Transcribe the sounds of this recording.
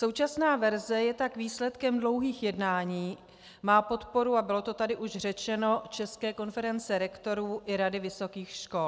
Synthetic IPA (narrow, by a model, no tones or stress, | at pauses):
so̞wt͡ʃasnaːvɛɾzɛjɛt̪akviːslɛt̪kɛmdlo̞wɦiːxjɛdnaːɲiː | maːpo̞t̪po̞ɾuabɪlo̞t̪o̞t̪adɪʔuʃr̝ɛt͡ʃɛno̞t͡ʃɛskɛːko̞nfɛɾɛnt͡sɛɾɛkt̪o̞ɾuːʔɪɾadɪvɪso̞kiːxʃko̞l